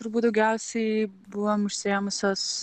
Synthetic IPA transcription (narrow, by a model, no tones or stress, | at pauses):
t̪ʊɾbuːt̪d̪ɐʊɡʲɛʊsʲɛɪbʊʋomʊʃʲsʲɪemʊsʲoːs